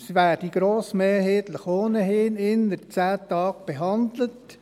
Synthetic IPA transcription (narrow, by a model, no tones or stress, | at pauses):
sivæːɾd̥iɡ̥ɾoːsmeːɦeːt̪ləχoːnəɦɪnɪnət͡sæːtɑːk̚b̥eɦɑnd̪lət